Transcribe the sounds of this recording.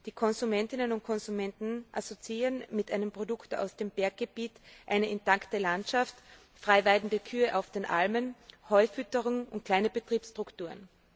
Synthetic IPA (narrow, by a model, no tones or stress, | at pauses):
d̥iːkʰɔnzumɛntɪnənʊnt̚kʰɔnzumɛntn̩ʔa̰sot͡siiːʁənmɪtʔaɪnəmpʁ̥odʊkta̰ʊsd̥eːmbɛɐkɡ̚ɡ̥əb̥iːtʔaɪnəʔɪntːaktəlantʃaft | fʁ̥aɪvaɪdn̩dəkʰyːəʔaʊfd̥eːnʔa̰lmənhɔʏfʏtəʁʊŋʔʊ̰nt̚kʰl̥aɪnəb̥ətʁ̥iːpstʁ̥ʊktuːɐən